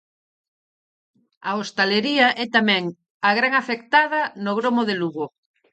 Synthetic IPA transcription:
aost̪aleɾiaʔɛt̪amɛ̃ŋ | aɣɾaŋafekt̪aðɐnoɣɾomoðeluɣo

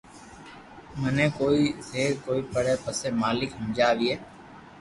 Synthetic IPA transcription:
mənẽːkoːiːzeːɾkoːiːpəɽeːpəsẽːmaːlɪkɦə̃ːd͡ʒaːʋiːeː

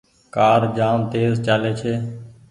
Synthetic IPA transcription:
kaːɾd͡ʒaːmt̪eːzt͡ʃaːleːt͡ʃʰeː

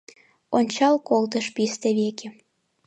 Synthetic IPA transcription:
onʲt͡ɕɑlkolt̪əʃpist̪ĕβekʲe

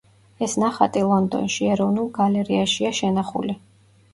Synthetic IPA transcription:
ɛsnaχat̪ʼilˠɔnd̪ɔ̰nʃiɛɾɔvnulˠɡalɛɾiaʃiaʃɛnaχṵli

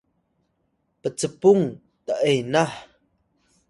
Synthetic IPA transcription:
pət͡səpʊŋ | t̪əʔejnah

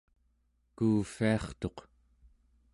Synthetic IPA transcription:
kuːfiɑχt̪o̞q

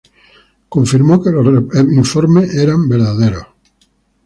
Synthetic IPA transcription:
koɱfiɾmokeeiɱfoɾmeʔeɾambeɾðaðeɾo

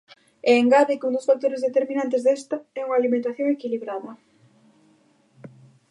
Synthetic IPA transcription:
eːŋɡaβikũnd̪osfak̚t̪oɾezðet̪eɾmĩnant̪̬ezðɛst̪ɐɛuŋalimẽnt̪aθjoŋekiliβɾaðɐ

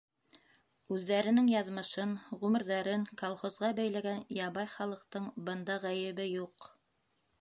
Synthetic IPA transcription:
ʉðːæɾɘ̆nɘŋjɑðmɤ̆ʃɤnʁʉmɘ̆ɾðɑɾɘŋkolˠχozʁɑbæjl̪æɡænjɑβɑjχɑlˠɤ̆q̚t̪ɤɴbɤ̆nd̪ɑʁæjɘ̆βɘjuq

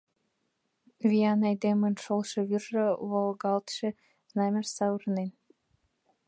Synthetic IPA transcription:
vʲijɑnæjd̪emɘ̆nʃolˠʃɤ̆βyrːɤ̆βɤ̆lˠɡɑlt̪ʃe | znɑmʲersɑurnen

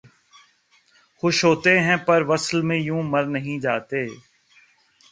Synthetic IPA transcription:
xʊʃɦoːt̪eɦɛ̃pɐɾʋɐslmẽjũːmɐɾnəɦĩd͡ʒaːt̪eː

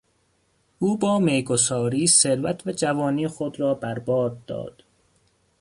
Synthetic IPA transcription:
ʔuːbɒːmejɡosɒːɾiːseɾvæt̪ʰvæd͡ʒævɒːniːxod̪ɾɒːbæɾbɒːd̪̚ːɒ̰ːd̪̥

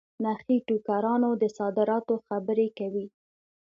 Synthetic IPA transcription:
naxiʈukaɾɑnod̪əsɑd̪ɪɾɑt̪oxabəɾekawi

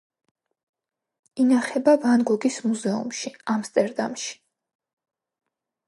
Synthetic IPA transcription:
inaχɛbavanɡɔɡismuzɛṵmʃiamst̪ʼɛɾd̪a̰mʃi̥

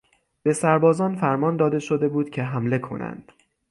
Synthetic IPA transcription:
b̥e̞sæɾbɒːzɒːnfæɾmɒːnd̪ɒːd̪e̞ʃo̞d̪e̞buːd̪cʲʰe̞ɦæmle̞kʰo̞̰nʔæ̰nd̪̥

